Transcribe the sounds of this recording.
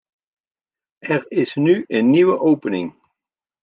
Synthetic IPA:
ʔɛɹɪsnyənːiʋəʔowpənɪŋ

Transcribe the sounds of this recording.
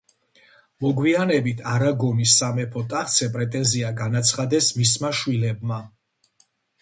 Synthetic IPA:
mɔɡwianɛbit̪ʰaɾaɡɔnisːamɛpʰɔt̪ʼaχt̪sʰɛpʼɾɛt̪ʼɛnziaɡanat̪sʰχad̪ɛsmismaʃwilɛb̚ma

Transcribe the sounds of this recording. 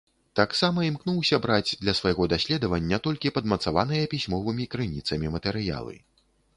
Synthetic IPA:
t̪aksamɐimknuwsʲɐbɾad͡zʲd̪lʲɐsvɐajɣɔd̪asʲlʲɛd̪ɐvɐnʲːɐt̪ɔlʲkʲipɐd̪mɐt̪savanɨjɐpʲisʲmɔvɨmʲikɾɨnʲit̪sɐmʲimɐt̪ɛɾɨja̰lˠɨ̰

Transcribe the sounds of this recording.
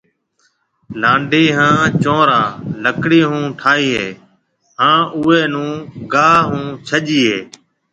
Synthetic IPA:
lãːɳɖʱiːɦãːt͡ʃõːɾaːləkɽiːɦũːʈʰaːɦiːɦeː | ɦãːʔʊːeːnũːɡaːɦũːt͡ʃʰəʄiːɦeː

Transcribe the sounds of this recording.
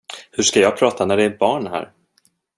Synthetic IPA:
hɵʂkajɑːɡ̚pʰɾɑːt̪ʰanæɖɛːɾbɑːɳɦæ̰ːɾ

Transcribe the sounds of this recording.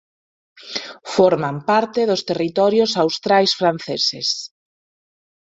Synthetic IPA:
fɔɾmampaɾt̪eðʊst̪erit̪ɔɾjosawst̪ɾajsfɾan̟θeses

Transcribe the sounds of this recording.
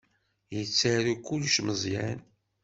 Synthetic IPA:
jət͡sːaɾukːulʃməzˤjæ̰n

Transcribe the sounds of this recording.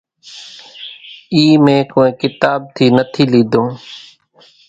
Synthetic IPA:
iːmẽːkoːẽːkɪt̪aːb̚t̪ʰiːnət̪ʰiːliːd̪õː

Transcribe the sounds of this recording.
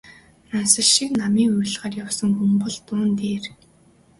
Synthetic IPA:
nansə̆ɮʃiknamiːŋujɮʁaːrjawsə̆ŋxumpə̆ɮt̪ʊːnt̪eːr

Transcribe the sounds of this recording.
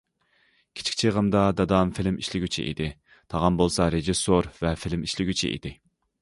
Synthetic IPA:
kʲʰi̥t͡ʃʰi̥kʰʲt͡ʃʰiʁəmd̪ɑd̪ɑd̪ɑmfɪlɪmiʃlɪɡʲyt͡ʃʰḭʔḭd̪ɪ | t̪ʰɑʁɑnbolˠsɑɾeʒɪsoɾvɛfɪlɪmiʃlɪɡʲyt͡ʃʰḭʔḭd̪̥ɪ

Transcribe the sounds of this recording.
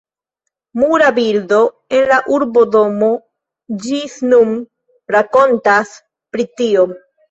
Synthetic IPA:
muɾabiɾdo̞ | e̞nlaʔuɾbo̞do̞mo̞ | d͡ʒisnum | ɾako̞ntas | pɾitio̞

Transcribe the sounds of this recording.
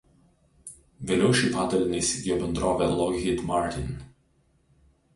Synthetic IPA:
ʋʲeːlʲɛʊʃʲiːˑpɑːd̪ɐɾʲɪnʲɐɪsʲɪɡʲjoːbʲɛnd̪ɾoːʋʲɛlˠɔɣʲɪd̪mɑˑɾt̪ʲɪn

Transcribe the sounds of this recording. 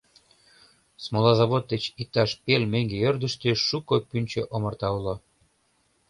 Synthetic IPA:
smolɑzɑβot̪̚d̪et͡ɕik̚t̪ɑʃpelmeŋɡeørd̪əʃt̪øʃukopynʲt͡ɕøʔomərt̪ɑulo

